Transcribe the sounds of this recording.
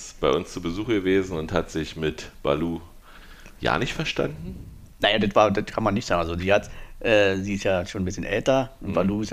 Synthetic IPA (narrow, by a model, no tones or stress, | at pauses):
b̥aɪʔʊnst͡suːbəzuːxəɡəveːzn̩ʊnthatz̥ɪçmɪtb̥a̰luː | ja̰ːnɪçtfɛɐʃta̰ndn̩ | naɪjadatv̥aːɐdatkʰanmanːɪçtz̥aːɡŋʔalzoziːhatʔɛːziːɪstjaːʃoːnbɪsçənʔɛ̰ltɐʊnb̥aluːɪs